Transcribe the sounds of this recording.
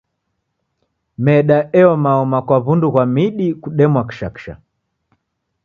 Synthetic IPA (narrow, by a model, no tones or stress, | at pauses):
mɛɗaɛɔmaɔmakwaβunduɣwamiɗikuɗɛmwaki̥ʃaki̥ʃa̰